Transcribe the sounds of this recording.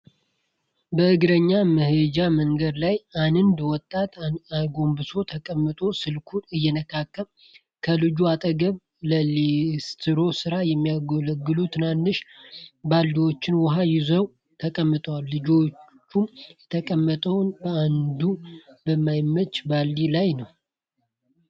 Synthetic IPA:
bəʔɨɡɾəɲːamɨhɨd͡ʒaməŋɡəd̪lajanɨnd̪wɔt̪ʼːat̪aɡo̞mbɨso̞t̪ʰəkʼəmːɨt̪ʼo̞sɨlkʰuɨjːɛnəkʰakːəm | kʰəlɨd͡ʒuat̪ʼəɡəβ | ləlest̪ʰɨɾo̞sɨɾajɛmːijaɡoləɡːɨlut̪ʰɨnanːɨʃbalːiwo̞t͡ʃːɪnwɔɦajɪzəw | t̪ʰəkʼəmːɨt̪ʼwalːɨd͡ʒo̞t͡ʃt͡ʃːumjɛt̪ʰəkʼəmːət̪ʼəwnbəand̪ubəmːajmːət͡ʃːbalːilajnəw

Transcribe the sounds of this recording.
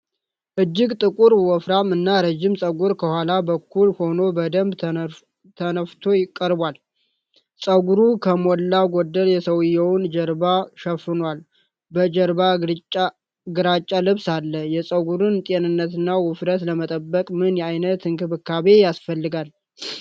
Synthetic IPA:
ʔɨd͡ʒːɪɡt̪ʼɨkʼuɾwɔfɾamɨnːaɾəd͡ʒːɪmsʼəɡʷuɾkʰəhʷalabəkːulho̞no̞bəd̪əmb | t̪ʰənəft̪ʰo̞jɪkʼːəɾbwal | sʼəɡuɾukʰəmɔlːaɡod̪ːəljɛsəwɨjːɛwnd͡ʒɛɾbaʃəfɨnwal | bəd͡ʒəɾba | ɡɨɾat͡ʃʼːalɨβsalːəjɛsʼəɡuɾɨnt̪ʼenɨnːət̪ɨnːawɨfɾət̪ləmət̪ʼəbːəkʼmɨnjɛajnət̪ɨŋkʰɨβɨkʰːaβe̞jasfəlːɨɡal

